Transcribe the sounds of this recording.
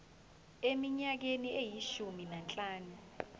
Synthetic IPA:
emiɲak̬eniejiʃuminant͡ɬʼaːnu

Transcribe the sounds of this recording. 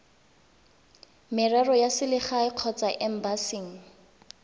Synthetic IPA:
mɪrɛrɔjasɪlɪχaɪq͡χʰɔt͡saʔɛm̩basiːŋ̩

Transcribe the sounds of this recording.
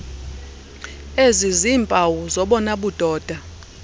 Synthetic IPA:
eziziːmpʼawuzɔɓɔnaɓud̥ʱɔːd̥ʱa

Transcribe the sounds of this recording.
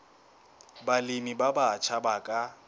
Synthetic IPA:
balimibabat͡ʃʰabakʼa

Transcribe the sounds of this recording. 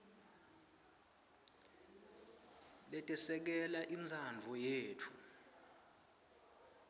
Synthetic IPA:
lɛtʼɛsɛk̬ɛlaʔind͡zʱand͡vʱɔjeːtʰu̥

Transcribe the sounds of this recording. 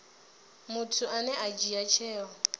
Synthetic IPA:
mʊtʰʊanɛʔad͡ʒiat͡ʃʰɛːɔ

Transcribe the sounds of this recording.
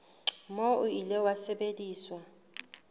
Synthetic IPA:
mɔuilɛwasɛɓedʼiːswa

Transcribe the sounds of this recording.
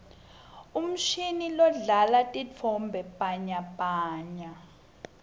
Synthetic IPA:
um̩ʃinilɔɮalatʼit͡fʰɔmbʱɛpʼaɲapʼaːɲa

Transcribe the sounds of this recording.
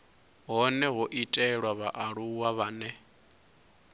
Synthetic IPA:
ɦɔnɛɦɔʔitʼɛɺwaβaʔaɺuwaβaːnɛ

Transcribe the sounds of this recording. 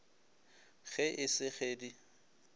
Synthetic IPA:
ɣɛʔɪsɪχeːdi

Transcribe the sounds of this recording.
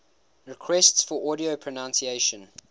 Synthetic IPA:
ɹɪkʰw̥ɛstsfɔʔɔɾiəpʰɹ̥ənãnsieɪʃə̃n

